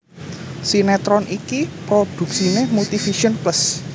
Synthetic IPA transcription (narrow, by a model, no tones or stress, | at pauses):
sinɛt̪ɾɔnʔikipɾod̪̥ṳksinehmut̪ifiʃiənpləs